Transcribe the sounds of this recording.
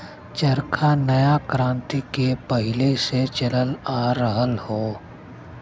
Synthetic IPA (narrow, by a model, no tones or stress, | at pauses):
t͡ʃəɾkʰanəjakɾãːnt̪ikepəɦɪleset͡ʃɐləlaːɾəɦəlhoː